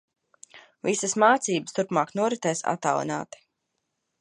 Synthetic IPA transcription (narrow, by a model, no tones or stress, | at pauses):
visəsmaːt̪siːbəst̪uɾpmaːknuɔɾɛt̪ɛːsa̰t̪a̰w̰ˠna̰ːt̪i̥